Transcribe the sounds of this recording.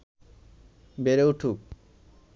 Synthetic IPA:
beɾewʈʰuk̚

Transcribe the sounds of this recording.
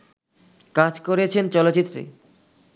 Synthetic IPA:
kad͡ʑkoɾet͡ɕʰent͡ɕɔlotːit̪ːɾḛ

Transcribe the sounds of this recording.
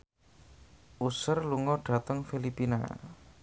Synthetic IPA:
ʔusərluŋɔɖ̥a̤t̪əŋfilipina̰

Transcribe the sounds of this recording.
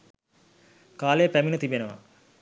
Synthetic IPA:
kaːlejəpæminət̪ibenəʋa̰

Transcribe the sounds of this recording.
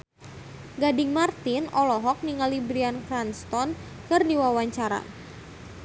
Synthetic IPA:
ɡadɪŋmart̪inɔlɔɦɔk̚niŋalibɾiankɾanst̪ɔn | kɨrdiwawaɲt͡ʃaɾa̰

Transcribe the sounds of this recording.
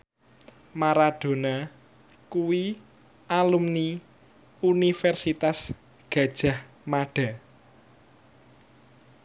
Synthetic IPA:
maɾaɖ̥o̤na | kuwi | alumni | unifɛrsit̪as | ɡ̥a̤d̥ʒ̥ä̤h | maɖ̥a̤

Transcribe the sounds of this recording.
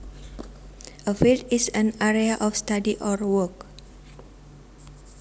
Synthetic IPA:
ʔəfiltisanaɾeaʔɔfst̪adiʔɔrwɔk̚

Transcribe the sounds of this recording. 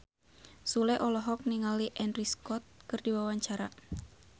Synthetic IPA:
sulɛʔɔlɔɦɔk̚niŋaliʔɛnriskɔt̪̚kɨrdiwawaɲt͡ʃaɾa

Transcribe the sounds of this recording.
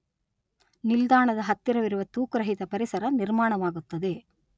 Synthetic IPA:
nild̪aːɳɐd̪ɐɦɐt̪ːiɾɐʋiɾuʋɐt̪uːkɾɐɦit̪ɐpɐɾisɐɾɐniɾmaːɳɐʋaːɡut̪ːɐd̪e̞

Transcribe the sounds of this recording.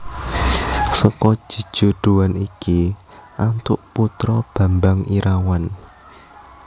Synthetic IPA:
sɔkɔ̥ʒ̥i̤̥ʒ̥ṳɖ̪̥uwaniki | ʔant̪ʊʔput̪ɾɔb̥ä̤mbaŋiɾʔawan

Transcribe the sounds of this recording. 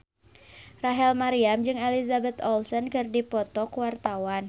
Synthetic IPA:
raɦɛlmaɾiamd͡ʒɨŋɛlizabɛt̪ɔlsɔnkɨrdipɔt̪ɔkwart̪awan

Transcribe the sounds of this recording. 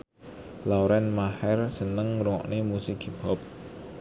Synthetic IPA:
lɔwɾɛnmahɛrsənəŋɾuŋɔ̰ʔnemusɪkibɔp̚

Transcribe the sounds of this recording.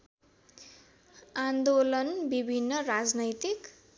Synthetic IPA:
and̪olʌnbibʱinːʌrad͡znʌjt̪ik

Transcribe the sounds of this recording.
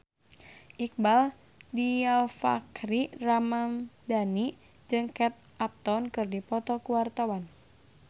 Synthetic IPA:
ʔik̚bal | dialfa̰kɾiramandani | d͡ʒɨŋkɛt̪̚ʔap̚t̪ɔnkɨrdipɔt̪ɔkuwart̪awan

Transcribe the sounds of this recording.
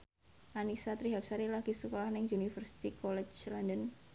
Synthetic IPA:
ʔanisat̪ɾiɦap̚saɾilaɡ̥isəkolahnɪŋunifərsi̥t̪ikɔlɛt͡ʃlandən

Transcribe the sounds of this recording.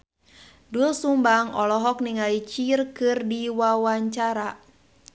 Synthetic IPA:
dulsumbaŋɔlɔɦɔk̚niŋalit͡ʃirkɨrdiwawaɲt͡ʃaɾa

